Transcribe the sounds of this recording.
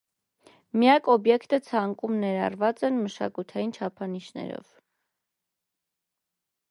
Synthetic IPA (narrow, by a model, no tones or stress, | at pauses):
mijɑkɔbjɛkt̪ət͡sʰɑŋkʼumnɛɾɑ̰rvɑt͡sɛnməʃɑ̰kut̪ʰɑjint͡ʃʰɑpʰɑniʃnɛ̰ɾɔ̰v̥